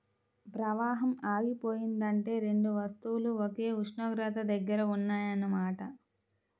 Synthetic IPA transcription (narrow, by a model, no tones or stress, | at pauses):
pɾɐʋaːɦɐmaːʋipoːjind̪ɐɳʈe̞ːɾe̞ɳɖuʋɐst̪uwuluoke̞ːuʂɳoːɡɾat̪ɐd̪ɐɡːɐɾɐunːaːjɐnːɐmaːʈɐ